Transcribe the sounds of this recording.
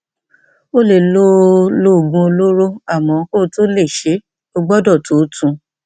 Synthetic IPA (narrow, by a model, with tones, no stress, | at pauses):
o˦le˦˨lo˦lo˦˨ɡũ˧o˧lo˦ɾo˦a˦˨mɔ̃˨˦ko˦˨˧to˦le˦˨ʃe˨˦ | o˧ɡ͡bɔ˦dɔ˦˨to˨˦tũ˧